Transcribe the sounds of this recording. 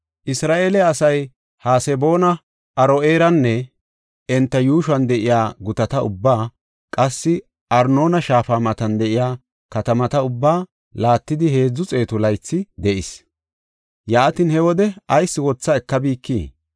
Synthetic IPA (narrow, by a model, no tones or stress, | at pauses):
ʔɪsɾaːʔeːlɛɐsɐj | haːsɛbo̞ːnɐ | ʔɐɾoeːɾɐnːɛ | ɛnt̪ːɐjuːʃɐnd̪ɛʔɪjaːɡʊt̪ɐt̪ɐʊbːaː | kʼɐsːɪ | ʔɐɾno̞ːnɐʃaːfaːmɐt̪ɐnd̪ɛʔɪjaː | kɐt̪ɐmɐt̪ɐʊbːaː | laːt̪ːɪd̪ɪhe̞ːd͡zːʊt͡sʼe̞ːt̪ʊlɐjt͡sːɪd̪ɛʔɪs | jaːt̪ɪnhɛwɔd̪ɛɐjsːɪwɔt͡sːɐɛkːɐbiːkːḭː